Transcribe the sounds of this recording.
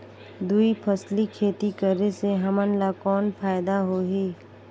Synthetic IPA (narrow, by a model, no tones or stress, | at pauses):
d̪uipʰəslikʰeːt̪ikəɾeseɦɐmənlakɔːnpʰaːɪd̪aɦoːɦiː